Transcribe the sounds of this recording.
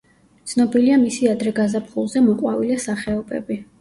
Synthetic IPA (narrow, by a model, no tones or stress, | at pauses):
t̪sʰnɔbiliamisiad̪ɾɛɡazapχulˠzɛmɔqʼwavilɛsaχɛɔbɛ̰bi